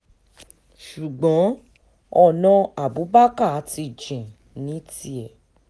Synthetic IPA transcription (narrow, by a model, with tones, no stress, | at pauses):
ʃu˨ɡ͡bɔ̃˨˦ | ɔ˧˨nã˧a˨bu˨˦ba˦ka˦˨˦ti˧˦˨d͡ʒĩ˨ | nĩ˨˦ti˦ɛ˨